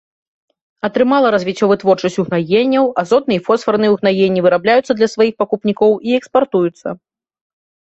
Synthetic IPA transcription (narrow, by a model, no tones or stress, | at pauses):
ɐt̪ɾɨmalˠɐɾɐzʲvʲit͡sʲːɔvɨt̪vɔrt͡ʂɐsʲtʲuɣnajenʲːɐwazɔt̪̚nɨjɛfɔsfɐrnɨjɛuɣnajenʲːivɨɾablʲajut̪sːɐd̪lʲɐsvajixpakupnʲikɔwiɛkspart̪ujut̪sːɐ̰